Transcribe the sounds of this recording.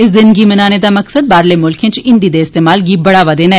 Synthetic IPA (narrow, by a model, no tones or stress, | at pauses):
ɪszɪnɡiːmɐnaːneːd̪aːməksəd̪̚baːɾleːmʊlkẽːt͡ʃɪ̃nd̪iːd̪eːɪst̪eːmaːlɡiːbɐɽaːʋaːd̪eːnaɛː